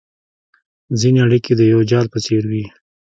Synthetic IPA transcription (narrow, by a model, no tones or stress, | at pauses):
zineaɽiked̪əjawd͡ʒɑlpət͡seɾwi